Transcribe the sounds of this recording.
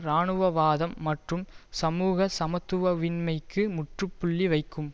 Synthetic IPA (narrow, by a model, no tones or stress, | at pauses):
ɾaːɳɯʋɐʋaːðɐmːɐʈrɯmsɐmuːɣɐsɐmɐt̪ːɯʋɐʋɪnmɐɪkːɯmʊʈrɯpːʊɭːiʋɐɪkːɯm